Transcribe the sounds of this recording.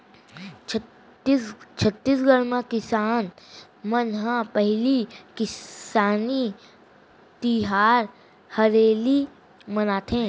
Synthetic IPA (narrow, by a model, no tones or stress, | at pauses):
t͡ʃʰ | st͡ʃʰət̪ːisɡəɾmãkɪsaːn | mənɦãpəɦɪlikɪsaːni | t̪iɦaːɾ | hɐɾeːli | mənaːt̪ʰẽː